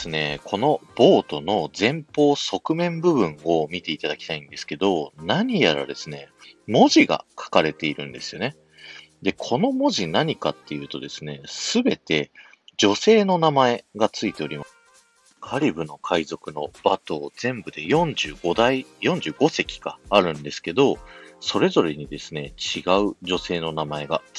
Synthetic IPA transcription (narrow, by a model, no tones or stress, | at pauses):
sɨne̞kʰo̞no̞b̥o̞ːt̪o̞no̞zẽ̞mpo̞ːso̞kɯ̟mẽ̞mbɯ̟bɯ̟̃ŋo̞mʲit̪e̞it̪ad̪akʲi̥t̪aĩnd̪e̞sɨ̥ke̞d̪o̞naɲ̟ijaɾa̰d̪e̞sɨne̞̰mo̞ʑiɡa̰kʰḁkaɾe̞t̪e̞iɾɯ̟̃nd̪e̞sɨ̥jo̞ne̞ | d̪e̞kʰo̞no̞mo̞ʑinaɲ̟ikat̪ːe̞jɯ̟ːt̪o̞d̪e̞sɨne̞sɨbe̞t̪e̞ | d͡ʑo̞se̞ːno̞namae̞ɡat͡sɨit̪e̞o̞ɾʲima | kʰaɾʲibɯ̟no̞kʰaizo̞kɯ̟no̞b̥at̪o̞ːz̥ẽ̞mbɯd̪e̞jõ̞ɲd͡ʑɨːɡo̞d̪aijõ̞ɲ̟d͡ʑɨːɡo̞se̞kʲi̥ɡ̥aːɾɯ̟̃nd̪e̞sɨ̥ke̞d̪o̞so̞ɾe̞zo̞ɾe̞ɲ̟id̪e̞sɨne̞t͡ɕiɡaɯ̟ʑo̞se̞ːno̞namae̞ɡa